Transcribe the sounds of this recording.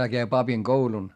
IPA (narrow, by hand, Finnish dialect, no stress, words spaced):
heæ kæi pɑpiŋɡ̊oulun